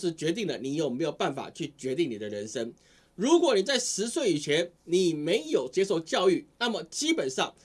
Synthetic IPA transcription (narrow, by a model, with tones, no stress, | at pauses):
ʂɻ̩˧˥t͡ɕɥɛ˧˥t̪̬i˥˩ŋlə˩ni˨˩˥jo˨˩me˧˥ɪjo˨˩ʊpa˥˩nfa̰˨˩t͡ɕʰy˥˩t͡ɕɥɛ˧˥t̪i˥˩ŋni˨˩ə˦ɻə˧˥nʂə˥ŋ | ɻu˧˥kwɔ˨˩ni˨˩t͡sa˥˩ɪʂɻ̩˧˦˥swe˥˩ɪi˨˩t͡ɕʰjɛ˧˥nni˨˩me˧˥ɪjo˨˩ʊt͡ɕjɛ˥ʂo˥˧ʊt͡ɕjɑ˥˧ʊy˥˩na˥˩mə˨˩t͡ɕi˥pə˨˩nʂɑ˥˩ŋ